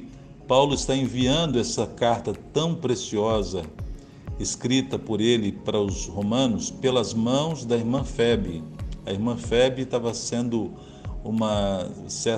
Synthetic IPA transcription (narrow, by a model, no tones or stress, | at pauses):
pawlʊɪst̪aẽviɐ̃nd̪ʊɛsɐkaɾt̪ɐt̪ɐ̃w̃pɾesiɔzɐ | eskɾit̪ɐpoɾelɪpaɾɐʊzhomɐ̃nʊspelɐzmɐ̃w̃zd̪ɐiɾmɐ̃fɛbɾɪɐiɾmɐ̃fɛbit̪avɐsẽnd̪ʊ | ũmɐsɛ